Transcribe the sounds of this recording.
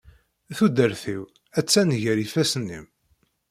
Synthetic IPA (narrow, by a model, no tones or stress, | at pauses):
θud̪əɾθiw | æt͡sːænʝəɾifæsənːḭm